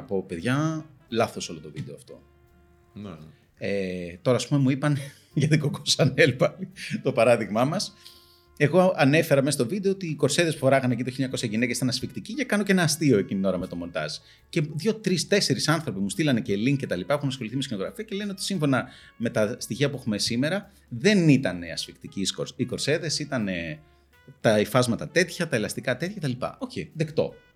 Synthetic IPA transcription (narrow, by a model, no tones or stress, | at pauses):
ɐpo̞pe̞ðʝɐ | lɐθo̞so̞lot̪ovid̪e̞oɐft̪o̞̰ | et̪o̞ɾɐːspume̞muipɐn | ʝɐt̪ikokosɐnelpɐlit̪o̞pɐɾɐðiɣmɐmɐs | e̞ɣo̞ɐnefe̞ɾɐmesɐst̪ovid̪eot̪iːko̞ɾseðe̞spufoɾɐɣɐnecit̪oçiliɲɐko̞sçɐʝine̞cesi̥t̪ɐnɐsfikt̪icicɐkɐnoce̞nɐːst̪io̞e̞cinio̞ɾɐme̞t̪o̞mo̞nt̪ɐ̰z̥ | ce̞ðʝo̞t̪ɾist̪e̞se̞ɾisɐnθɾo̞pimust̪ilɐne̞celiŋkce̞t̪ɐlipɐexunɐsxo̞liθimeskino̞ɣɾɐfiɐceleneot̪i̥siɱfo̞nɐme̞t̪ɐst̪içiɐpuexume̞sime̞ɾɐ | ðe̞nit̪ɐne̞ɐ̰sfikt̪iciːskoɾiko̞ɾse̞ðe̞sit̪ɐne̞ | t̪ɐifɐzmɐt̪ɐt̪e̞t̪çɐt̪ɐe̞lɐst̪ikɐt̪et̪çɐet̪ɐlipɐ̰ʔo̞çiðekt̪o̞̰